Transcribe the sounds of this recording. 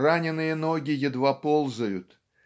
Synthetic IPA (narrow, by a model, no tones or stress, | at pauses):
ranʲɪnːɨjənoɡʲɪjɪd̪vapolˠzəjʊt̪